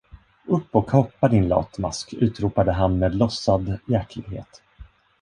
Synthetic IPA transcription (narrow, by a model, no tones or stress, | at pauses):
ɵpːɔkʰhɔpːad̪ɪnlɑ̰ːt̪ma̰skʉ̟ːt̪ɾuːpad̪əɦanmeːd̪lɔsːad̪jæɾklɪɡhḛːt̪